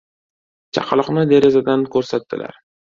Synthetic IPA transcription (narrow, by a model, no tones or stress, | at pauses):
t͡ʃʰɑ̰qʰlˠɨqnɪd̪e̞ɾezad̪ankʰɵɾsat̪ːɪ̰lʔa̰ɾ